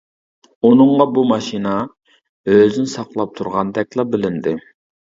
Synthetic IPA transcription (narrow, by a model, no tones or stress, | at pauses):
unɨɴʁɑbumɑʃinɑ | øzynɪsɑqlˠɑp̚t̪ʰuɾʁɑnd̪ɛk̚ʲlˠɑbɪlɪnd̪ɪ